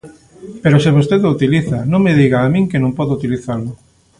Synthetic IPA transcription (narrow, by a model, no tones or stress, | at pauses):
peɾoseβost̪eðout̪iliθanõŋmeðiɣaːmĩŋkenõŋmpɔðʊut̪iliθalʊ